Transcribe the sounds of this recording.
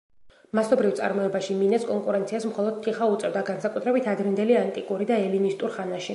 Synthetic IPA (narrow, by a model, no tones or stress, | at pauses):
masɔbɾift̪sʼa̰ɾmɔɛbaʃiminɛskʼɔŋkʼuɾɛnt̪sʰiasmχɔlˠɔd̪̥̚t̪ʰiχaut̪sʼɛvd̪aɡansakʼut̪ʰɾɛbit̪ʰad̪ɾɛnd̪ɛliant̪ʼikʼuɾid̪aɛlinist̪ʼuɾχanaʃi